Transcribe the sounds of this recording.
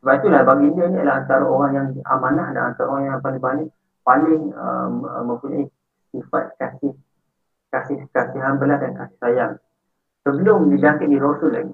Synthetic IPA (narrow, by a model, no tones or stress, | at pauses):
səbapit̪ulahbaɡindiənijəlaant̪aɾaoɾaŋjaŋa̰manahda̰ŋa̰nt̪aɾaoɾaŋjaŋpalɪŋbanɪʔ | palɪŋə̰mə̰məmpuɲa̰i | sifat̪̚kasɪh | kasɪhkasɪɦanbəlahdankasɪ̥hsajaŋ | səbəlʊmdid͡ʒakindiɾosʊlːaɡi